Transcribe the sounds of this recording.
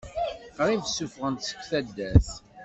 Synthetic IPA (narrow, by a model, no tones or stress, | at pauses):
qɾivsːufʁənt̪sə̥kʷːθæd̪ːæθ